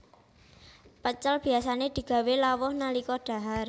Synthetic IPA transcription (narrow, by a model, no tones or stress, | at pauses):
pət͡ʃəlb̥i̤asaned̪̥i̤ɡ̥ä̤welawɔhnalikɔɖ̥a̤ɦar